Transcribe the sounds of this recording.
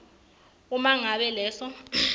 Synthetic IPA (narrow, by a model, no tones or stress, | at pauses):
umaŋaɓɛlɛːsɔ